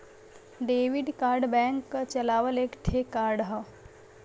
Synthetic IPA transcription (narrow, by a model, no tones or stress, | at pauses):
ɖeːʋɪɖkaːɾɖbɛ̃ŋkːt͡ʃəlaːʋəleːkʈʰekaːɾɖɦə